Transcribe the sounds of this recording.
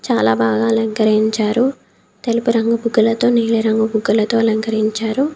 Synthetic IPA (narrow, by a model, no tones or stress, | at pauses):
t͡ʃaːlaːbaːɡaːɐlɐŋɡɐɾiɲt͡ʃaːɾu | t̪elupuɾɐŋɡɐbuɡːulɐt̪o̞ːniːliɾɐŋɡɐbuɡːulɐt̪o̞ːɐlɐŋɡɐɾiɲt͡ʃaːɾu